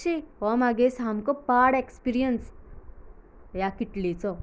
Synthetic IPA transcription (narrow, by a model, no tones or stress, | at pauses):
iɔmaɡesɦamkɔpaɽekspiɾijəns | jakiʈlit͡sɔ